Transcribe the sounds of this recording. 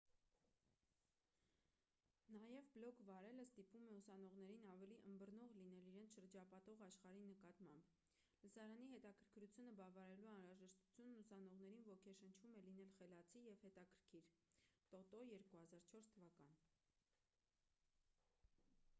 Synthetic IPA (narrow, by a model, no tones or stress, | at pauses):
nɑjɛvblɔkʰvɑɾɛləst̪ipumɛusɑnɔʁnɛɾinɑvɛliʔəmbəɾnɔʁlin̪ɛliɾɛnt͡sʰʃəɾd͡ʒɑpɑt̪ɔʁɑʃχɑɾinəkɑt̪mɑmb | ləsɑɾɑniɦɛt̪ɑkʰəɾkʰɾut͡sʰjunəbɑvɑɾɛluɑnɾɑʒɛʃt̪u̥t͡sʰjunːusɑnɔʁnɛɾinvɔkʰɛʃənt͡ʃʰvumɛlin̪ɛlχɛlɑt͡sʰijɛvhɛt̪ɑkʰəɾkʰiɾt̪ɔt̪ɔjɛɾkuhɑzɑɾt͡ʃʰɔɾst̪ʰəvɑkɑn